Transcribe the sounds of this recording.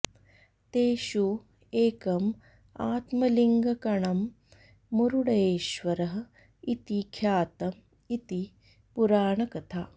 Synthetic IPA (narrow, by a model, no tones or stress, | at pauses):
t̪eːʃu | eːkɐm | aːt̪mɐliŋɡɐkɐɳɐmː | uɾuɽɐeːʃʋɐɾɐɦɐ̆ | it̪ikʰjaːt̪ɐm | it̪i | puɾaːɳɐkɐt̪ʰaː